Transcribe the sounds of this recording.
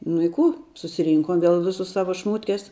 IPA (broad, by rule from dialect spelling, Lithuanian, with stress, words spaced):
nʊ ɪ ˈkuː sʊsʲɪˈrʲiːŋkoːm ˈʋʲiɛlˠ ˈʋʲɪsʊs ˈsɑːʋoː ˈʃmuːtʲkʲɛs